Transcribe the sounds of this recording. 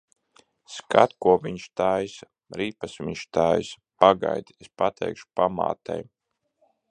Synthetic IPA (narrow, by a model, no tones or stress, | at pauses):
ska̰t̪kuɔviɲʃt̪ajs | ɾiːpasvḭɲʃt̪aːjs | paɡa̰jd̪espat̪ʰɛ̰jkʃu̥pama̰ːt̪a̰j